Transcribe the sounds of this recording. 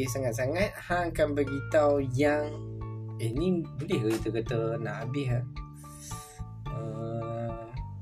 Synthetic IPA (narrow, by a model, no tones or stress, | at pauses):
saŋat̪̚s̬aŋat̪̚hakanbəɡit̪awjaŋ | inĩbolɛhit̪əkat̪ənabɪɦa | ə